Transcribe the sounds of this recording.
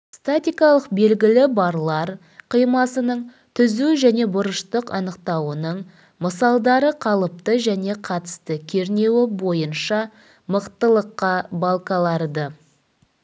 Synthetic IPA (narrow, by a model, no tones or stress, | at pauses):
st̪at̪ʲijkɑlˠəqbe̞lɡʲɪlɪbɑɾlˠɑɾ | qʰijmɑsənəɴ | t̪ʰʏzuʒæne̞bʊɾəʃt̪əqɑ̰nəqt̪ɑwənəɴ | məsɑlˠd̪ɑɾəqʰɑlˠəp̚t̪əʒæne̞qʰɑt̪ə̥st̪əkʲʰe̞ɾne̞wɪbo̞jənʃɑ | məqt̪əlˠəqːɑbɑlˠqɑlˠɑɾd̪ə